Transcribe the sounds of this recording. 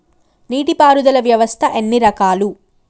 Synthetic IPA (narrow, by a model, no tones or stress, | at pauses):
niːʈipaːɾud̪ɐlɐʋjɐʋɐst̪ʰɐʔenːiɾɐkaːlu